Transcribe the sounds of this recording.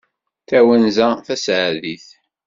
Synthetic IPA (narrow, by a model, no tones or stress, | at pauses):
θæwænzæθæsʕaðiθ